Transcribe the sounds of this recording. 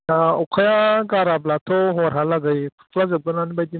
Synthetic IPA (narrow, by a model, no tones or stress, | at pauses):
aukʰajaɡaɾablat̪ʰoɦoɾɦalaɡəjpʰu̥kʰlazəb̚ɡənanibajd̪i